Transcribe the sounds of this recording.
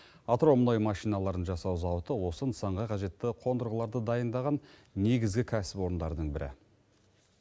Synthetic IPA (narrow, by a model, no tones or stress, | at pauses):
ɑt̪ɾo̞mno̞jmɑʃijnɑlˠɑɾənʒɑsɑwzɑwət̪əwo̞sənəsɑɴʁɑqʰɑʒe̞t̪ːɪqʰo̞nd̪əɾʁəlˠɑɾd̪əd̪ɑjənd̪ɑʁɑnne̞ɡʲɪzɡʲɪkʲʰæsɪ̥pwo̞ɾənd̪ɑɾəd̪əɴbɪɾɪ̰